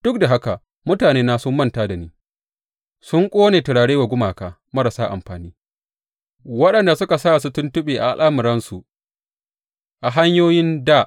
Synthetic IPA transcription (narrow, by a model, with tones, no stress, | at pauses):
d̥ʊ˦k̚da˨ɦa˦ka˨ | mʊ˦taː˨neː˦naː˦sʊ˦mːɐ˦ntaː˦da˨niː˦ | sʊ˦ŋkʷʼoː˦neː˨tɪ˨ɽaː˨ɽeː˦wa˨ɡʷʊ˦maː˨kaː˨ | mɐ˦ɾa˨saː˦ʔa̰˨mɸaː˨niː˦ | wɐ˦ɗɐ˨nda˨sʊ˦ka˨saː˦˨su˦tʊ˦ntʊ˦ɓeː˨ʔa̰˨ʔa̰˨lʔaː˦mʊ˨ɾɐ˦nsu˨ʔ | ʔa˨ɦa˦ɲjoː˦jɪ˦ndaː˦˨ʔ